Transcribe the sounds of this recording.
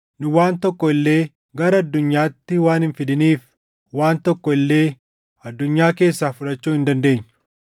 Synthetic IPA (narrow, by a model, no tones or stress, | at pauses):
nʊwaːnt̪ɔkːɔɪlːeː | ɡɐɾɐɐd̪ːʊɲːaːt̪ːɪwaːnhɪnfɪd̪ɪniːf | waːnt̪ɔkːɔɪlːe̞ː | ɐd̪ːʊɲːaːke̞ːsːaːfʊᶑɐt͡ʃːuːɪnd̪ɐnd̪e̞ːɲː